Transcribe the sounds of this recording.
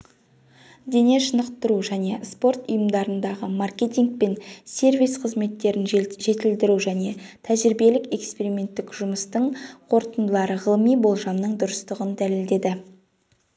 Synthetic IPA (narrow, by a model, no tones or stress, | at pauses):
d̪e̞ne̞ʃənəqt̪əɾuʒæne̞spo̞rt̪ʊjəmd̪ɑɾənd̪ɑʁəmarkʲe̞t̪iŋk̚pe̞nsʲe̞rvijsqʰəzme̞t̪ːe̞ɾɪnʒe̞t̪ɪld̪ɪɾuʒæne̞t̪ʰæʒɾibe̞lɪke̞kspe̞ɾimʲe̞nt̪ːɪkʒ̥ʊməst̪əɴqʰo̞ɾt̪ənd̪əlˠɑɾəʁəlˠəmijbo̞lˠʒɑmnəɴd̪ʊɾəst̪əʁənd̪æle̞ld̪e̞d̪ɪ